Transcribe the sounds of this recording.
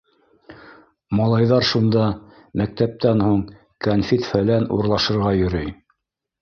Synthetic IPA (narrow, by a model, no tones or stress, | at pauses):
mɑlˠɑjðɑɾʃund̪ɑ | mæk̚t̪æp̚t̪ænhuɴ | kɐnfʲit̪fælænuɾlˠɑʃɤ̆ɾʁɑjɵ̆ɾɵj